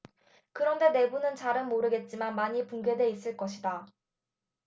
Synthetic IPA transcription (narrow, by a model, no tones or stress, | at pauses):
kɯɾʌnde̞ne̞bunɯnt͡ɕaɾɯnmoɾɯɡe̞t̚t͡ɕ͈imanmaɲipuŋɡe̞dwe̞is͈ɯɭk͈ʌɕʰida